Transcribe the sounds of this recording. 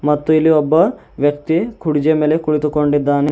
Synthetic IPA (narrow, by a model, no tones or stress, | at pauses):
mɐt̪ːuilːiɔbːɐ | ʋjɐkt̪ikʰuɽid͡ʒɐmeːlekuɭit̪ukoɳɖid̪ːaːne